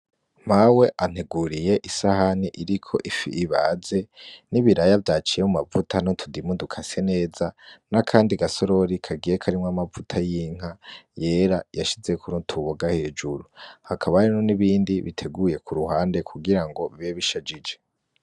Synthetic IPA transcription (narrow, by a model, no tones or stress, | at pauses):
mawe̞ʔan̥heɡuɾije̞ʔisahaniʔiɾikʰo̞̰ʔifḭʔːβaze̞niβiɾajavjaːt͡ʃijemumavutʰanotʰudimudukʰase̞ne̞ːzanakʰaːndiɡaso̞ɾo̞ɾikʰaɡijekʰaɾimŋamavutʰajiːŋ̥aje̞ːɾajaʃize̞kʰuɾutʰuβoɡahe̞ːd͡ʒuɾuhakʰaβaɾenoniβiːndiβitʰe̞ɡuje̞kʰuɾuhaːnde̞kʰuɡiɾaŋɡo̞βiβeβiʃad͡ʒid͡ʒe̞